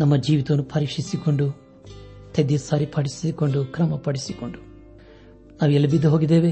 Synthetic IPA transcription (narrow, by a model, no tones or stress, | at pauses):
nɐmːɐd͡ʒiːʋit̪ɐʋɐnːupʰɐɾiːkʂisiko̞ɳɖu | t̪ʰed̪ijɐsaːɾipʰɐɽisko̞ɳɖukɾɐmɐpɐɽisikoɳɖu | naːʋuɛlːɐbid̪ːɐɦoːɡid̪eːʋe